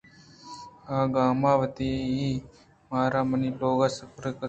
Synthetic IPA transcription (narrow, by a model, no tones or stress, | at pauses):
aːɡaːmaːʋət̪iːɦiː | maːɾaːmɐniːloːɡaːsəpɾkə